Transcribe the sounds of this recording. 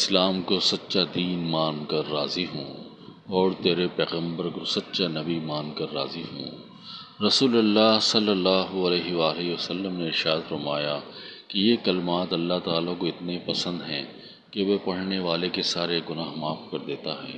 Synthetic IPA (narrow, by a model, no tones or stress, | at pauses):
ɪslaːmkosɐtːʃad̪iːnmãːnkɐɾːaːziɦõː | ɔːɾt̪eːɾepɛːɣə̃mbəɾkosɐtːʃanɐbimãːnkɐɾːa̰ːziɦõ̰ː | ɾɐsuːlɐlːaːɦsɐlːəlːaːɦoɐlɛːɦeʋaːliʋɐsɐlːəmneɪɾʃaːd̪fɐɾmaːjakejekɐlɪmaːt̪ɐlːaɦt̪aːlakoɪt̪nepɐsə̃nd̪ɦɛ̃ː | keʋepɐɽ̤neʋaːlekesaːɾeɡʊnaːɦmaːfkɐɾd̪eːt̪aɦɛ̰ː